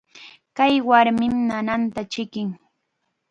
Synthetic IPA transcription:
kajwaɾmɪmnanant̪at͡ʃɪkɪŋ

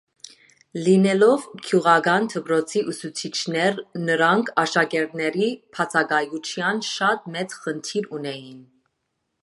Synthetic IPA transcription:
linɛlɔvkʰjuʁɑɡɑnt̪ʰəpʰɾɔt͡sʰiʔusut͡sʰit͡ʃʰnɛɾnəɾɑŋkʰɑʃɑɡɛɾt̪nɛɾipʰɑt͡sʰɑɡɑjut͡ʃʰjɑnʃɑt̪̚mɛt͡sχənt̪ʰiɾunɛjin

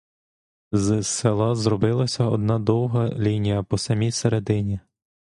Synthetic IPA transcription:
zselˠɑzrɔbɪlˠɐsʲɐɔd̪̚nɑd̪ɔwɦɐlʲinʲijɐpɔsɐmʲijseɾed̪ɪnʲi

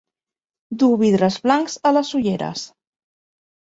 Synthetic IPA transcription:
d̪uβiðɾəzβlaŋkzələsuʎeɾə̰s

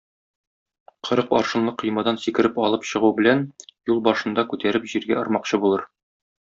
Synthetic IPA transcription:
qʰɤ̆ɾɤqɒɾʃɤ̆nlˠɤqʰɤ̆jmɑd̪ɑnsikɘ̆ɾɘpɒlˠɤpɕɤ̆ʁubɘ̆lænjulˠbɒʃɤ̆nd̪ɑkʉt̪æɾɘpʑiɾɡæɒɾmɑqɕɤbulˠɤɾ

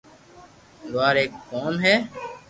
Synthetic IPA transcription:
d̪ʊaːɾeːkːoːmɦɛː

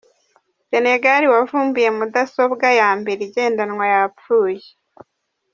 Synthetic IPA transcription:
se̞ne̞ɡaɾiwavuːmbuje̞mudaso̞bɡajaːmbe̞ɾiɟe̞ːndanŋwajapfuːje

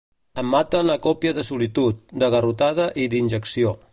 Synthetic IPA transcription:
əmːat̪ənləkɔpiəðəsulit̪ut̪̚d̪əɣərut̪að̞əʔid̪inʲʒəksio

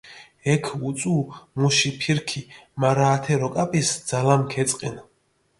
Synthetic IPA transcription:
ɛkʰut̪sʼuːmuʃipʰiɾkʰimaɾaːt̪ʰɛɾɔkʼapʼisd̪z̥alamkʰɛt̪sʼqʼɛn

